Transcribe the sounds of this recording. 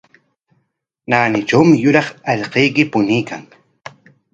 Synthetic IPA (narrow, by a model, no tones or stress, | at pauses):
naːnɪʈ͡ʂawmɪjʊɾɑχɑʎqejkɪpʊnijkaŋ